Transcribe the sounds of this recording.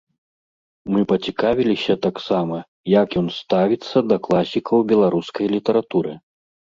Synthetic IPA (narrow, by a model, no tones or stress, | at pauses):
mɨpɐt͡sʲikavʲilʲisʲɐt̪aksamɐ | jɐkjɔnst̪avʲit̪sːɐd̪ɐklˠasʲikʰɐwbʲɛlˠaɾuskɐjlʲit̪ɐɾat̪uɾɨ